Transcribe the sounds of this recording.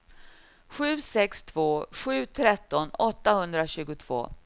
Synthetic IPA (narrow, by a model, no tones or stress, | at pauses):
ɧʉ̟ːsɛkst̪ʰv̥oːɧʉ̟ːt̪ʰɾɛt̪ːɔnɔt̪ːahɵnd̪ɾaɕʉ̟ːɡʊt̪ʰv̥o̰ː